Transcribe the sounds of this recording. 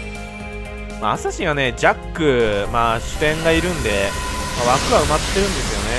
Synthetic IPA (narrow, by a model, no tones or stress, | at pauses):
ma̰ːsaɕiβane̞d͡ʑakːɯ̟maːɕɨ̥t̪ẽ̞ŋɡaiɾɯ̟̃nd̪e̞maβakɯ̟βaɯ̟mat̪ːe̞ɾɯ̟̃nd̪e̞sɨjo̞ne̞